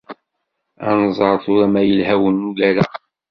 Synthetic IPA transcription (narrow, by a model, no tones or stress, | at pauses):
æ̰nzˤɑɾˤθʊɾæmæjəlɦæwənːulæɾæ